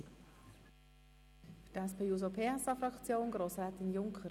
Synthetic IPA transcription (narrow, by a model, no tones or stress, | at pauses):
fdɛspʰejuz̬opʰeːɛsɑfɾɑkt͡sjoːnɡɾoːsɾɛːt̪ɪnjʊŋkʰə